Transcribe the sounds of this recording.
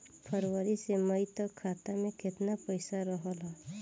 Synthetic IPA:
pʰəɾwəɾiseməjt̪ɔkʰːat̪ameket̪napəjsaɾɔɦɔlɔ

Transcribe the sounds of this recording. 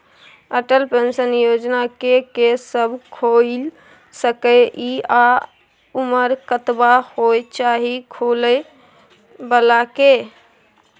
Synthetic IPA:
əʈəlpensənjod͡ʒnakekesəbʱkʰol | səkəia | uməɾkət̪bahojt͡ʃaɦikʰulə | bəlake

